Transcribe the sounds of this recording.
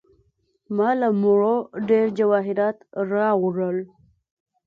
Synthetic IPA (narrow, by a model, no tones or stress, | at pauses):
mɑlamuɻoɖeɾd͡ʒawɑɦɪɾɑt̪ɾɑwʐəl